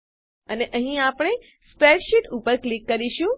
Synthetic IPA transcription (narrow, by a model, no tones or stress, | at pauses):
əneʔəɦĩapɽ̃e | spɾeʈʃiʈupəɾklikːəɾiʃũ